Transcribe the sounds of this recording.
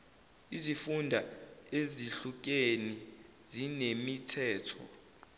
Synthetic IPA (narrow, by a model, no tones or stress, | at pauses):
izifundʱaeziɬuk̬ʼeni | zinemitʰɛːtʰɔ̰